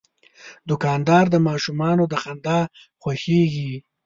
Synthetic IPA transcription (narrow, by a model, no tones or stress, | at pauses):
d̪ʊkɑnd̪ɑɾd̪əmɑʃumɑnod̪əxand̪ɑ | xwaxeɡi